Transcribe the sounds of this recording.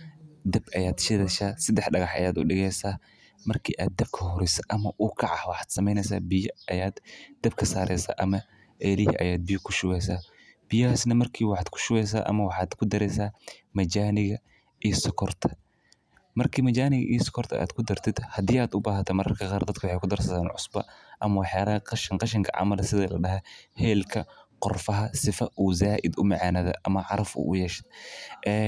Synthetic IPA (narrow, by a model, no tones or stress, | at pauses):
d̪ɐbʔɐjaːd̪ʃɪðɛʃaːsɐd̪ɛħɖɐɣɑħʔɐ̰jaːd̪ʊ̰ɖɪɣɛjsaː | mɐrkʰiːʔaːd̪̚ːɐb̚kʰɐhɔɾɛsɐ̥ʔɐmɐʔʊkʰɑʕɑhwɑħɑːd̪̥sɐmɛjnɛsa̰ːbɪjɐʔɐjaːd̪d̪ɐb̚kʰɐsaːɾʔɛ̰jsa̰ːʔɐmɐ | ʔɛːlɪhḭʔɐ̰jaːd̪̚bɪjʊkʰʊʃʊwɛsaː | b̥ɪjɐhaːsnɐmɐrkʰiːwɑħɑːd̪kʰʊ̥ʃʊwɛjs̬a̰ːʔɐ̰mɐwɑħɑːd̪kʰʊd̪ɐɾɛsaːmɐt͡ʃaːnɪɣɐ | ʔiːsɔkʰɔrt̪ʰɐ̥ | mɐrkʰiːmɐt͡ʃaːnɪɣɐ̰ʔḭːsɔ̥kʰɔrt̪ʰɐ̰ʔa̰ːd̪kʰʊd̪ɐrt̪ʰɪd̪hɐd̪iːaːd̪ʊbaːɦɐt̪ʰɐmɐɾɐrkʰɐqɑːrd̪ɐd̪kʰɐwʊħejkʰʊd̪ɐrsɐðaːnʕʊ̰sbɐ̰ʔɐmɐwɑħjaːlɐɦɐqɑʃɐŋqɑʃɐŋkʰɐ̰ʕɑ̰mɐlsɪðɐlɐɖɐɦɐhɛːlkʰɐqɔrfɐɦɐsɪfɐʔuːzaːʔɪd̪ʊmɐʕɑːnɐðɐ̰ʔɐmɐʕɑɾɐfʊ̰ːʔʊ̰jɛːʃɪ̥d̪̚ʔɛ